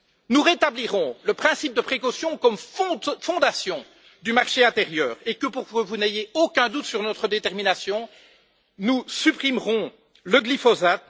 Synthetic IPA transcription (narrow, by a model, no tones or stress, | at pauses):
nuʁet̪abliʁɔ̃ləpχɛ̃sip̚d̪əpχekɔsjɔ̃kɔmfɔ̃d̪asjɔ̃ | d̪ymaʁʃeɛ̃t̪eʁjœːʁekəpuʁkəvunejeokʲɛ̃d̪ut̪syʁnɔt̪χəd̪et̪ɛʁminasjɔ̃ | nusypχimʁɔ̃ | ləɡlifɔzat̪̚